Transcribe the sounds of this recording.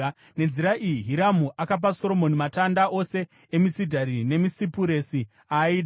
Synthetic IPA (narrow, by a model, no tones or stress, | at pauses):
ne̞nziɾaʔijiɦiɾamuʔakap̬aso̞ɾo̞mo̞nimatandaʔo̞se̞ | emisidʱaɾine̞misipuɾe̞si | aiːɗa